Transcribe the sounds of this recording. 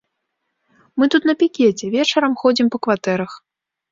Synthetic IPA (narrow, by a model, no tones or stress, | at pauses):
mɨt̪ut̪nɐpʲikʲet͡sʲɛvʲɛt͡ʂɐɾɐmxɔd͡zʲimpɐkvat̪ɛɾɐx